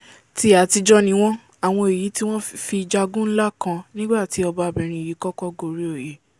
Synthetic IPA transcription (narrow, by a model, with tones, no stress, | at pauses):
ti˨˦a˨˦ti˧d͡ʒɔ˦nĩ˦w̃ɔ̃˦ | a˨w̃ɔ̃˧e˨ji˨˦ti˦w̃ɔ̃˦fi˧d͡ʒa˧ɡũ˦n̩˦la˦kã˧nĩ˦ɡ͡ba˦˨ti˨˦ɔ˧ba˧bɛ˨ɾ̃ĩ˧˦i˨ji˨˦kɔ˦kɔ˦ɡo˨ɾi˦o˦˨je˨˦